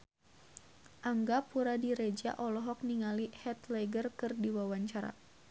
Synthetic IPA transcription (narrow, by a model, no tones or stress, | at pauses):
ʔaŋɡapuɾadiɾed͡ʒa̰ʔɔlɔɦɔk̚niŋalihɛt̪lɛɡərkɨrdiwawaɲt͡ʃaɾa̰